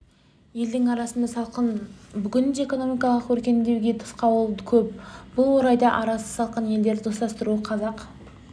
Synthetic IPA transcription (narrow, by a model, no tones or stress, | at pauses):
je̞ld̪ɪŋɑɾɑsənd̪ɑsɑlˠqənbʏɡʲɪnd̪ee̞ko̞no̞mijkɑlˠəqkʰɵɾkʲe̞nd̪e̞wɡʲe̞t̪ʰə̥sqɑbo̞lˠd̪əkʲʰɵp̚b̥ʊlˠwo̞ɾɑjd̪ɑʔɑɾɑsə̥sɑlˠqənje̞ld̪e̞ɾɪd͡ʒ̪ost̪ˠɑst̪əɾuəqʰɑzɑq